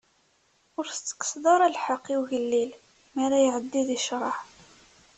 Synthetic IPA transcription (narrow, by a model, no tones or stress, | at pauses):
ʊɾθət͡sːə̥kə̥sðˤɑɾˤælħɑqːiwʝəlːil | mæɾajʕəd̪ːiðiʃɾˤɑħ